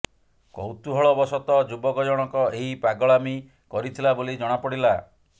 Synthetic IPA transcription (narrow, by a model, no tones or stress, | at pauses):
kɔ̰wt̪uɦɔɭɔbɔsɔt̪ɔd͡ʒubɔkɔd͡ʒɔɽ̃ɔkɔeɦipaɡɔɭami | kɔɾit̪ʰilabolid͡ʒɔɽ̃apɔɽila